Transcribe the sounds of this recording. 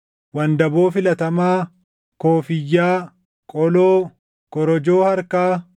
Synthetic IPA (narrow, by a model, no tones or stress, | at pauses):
wɐnd̪ɐbo̞ːfɪlɐt̪ɐmaː | koːfɪjːaː | kʼɔloː | kɔɾɔd͡ʒoːhɐɾkaː